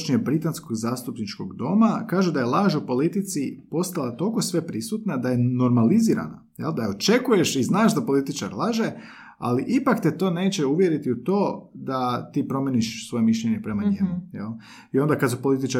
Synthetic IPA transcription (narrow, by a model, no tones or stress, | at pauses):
t͡ʃɲebɾit̪ansko̞ɡzaːst̪upnit͡ʃko̞ɡd̪o̞makaːʒud̪ajelˠaːʒupo̞lit̪it̪sipo̞st̪alˠat̪o̞lko̞sʋe̞pɾisut̪nad̪aje̞no̞ɾmaliziːɾa̰na | jḛld̪ao̞t͡ʃe̞kuje̞ʃiznaːʃd̪apo̞lit̪it͡ʃa̰ɾlˠaʒe̞ | a̰liʔipakt̪et̪o̞ːne̞ːt͡ɕeuʋje̞ɾit̪iut̪o̞ːd̪at̪iːpɾo̞mjeniʃsʋo̞jemiʃʎeɲe̞pɾe̞maɲimujḛlˠ | io̞nd̪akasupo̞lit̪it͡ʃa